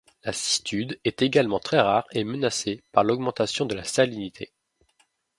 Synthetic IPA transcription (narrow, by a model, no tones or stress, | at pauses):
lasi̥t̪ʰyd̪ɛt̪eɡalmɑ̃t̪χɛʁaʁemənasepaʁlɔɡ̚mɑ̃t̪asjɔ̃d̪əlast̪alinit̪ʰe